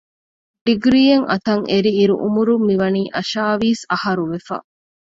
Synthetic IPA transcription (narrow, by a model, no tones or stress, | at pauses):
ɖiɡɾiːeŋʔɐ̰t̪ɐŋʔeɾiːɾṵʔumuɾumːiʋɐniːʔɐʃaːʋiːsɐhɐɾuʋefɐ̰